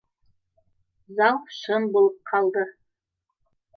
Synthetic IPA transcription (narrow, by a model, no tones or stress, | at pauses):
zɑwʃɤ̆mbolˠɤp̚qʰɑlˠd̪ɤ